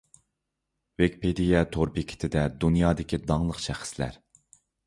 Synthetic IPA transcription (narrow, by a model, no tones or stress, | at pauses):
vekʲpʰed̪ijɛt̪ʰoɾbikʲʰɪ̥t̪ʰɪd̪ɛd̪unjɑːd̪ɪkʲʰid̪ɑŋlˠəqʃæχɪ̥slæ̰ɾ